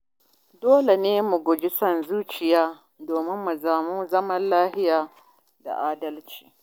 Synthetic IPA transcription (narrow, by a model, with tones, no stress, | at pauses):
doː˦le˨neː˦mu˨ɡʷʊ˨d͡ʒi˦sɐ˦nzuː˦t͡ʃɪ˨jaː˦ | doː˨mɪ˦mːu˨zaː˨mu˦zɐ˦mɐ˦nlaː˦hɪ˦jaː˨ | da̰˨ʔaː˦dɐ˦lt͡ʃi̥ː˨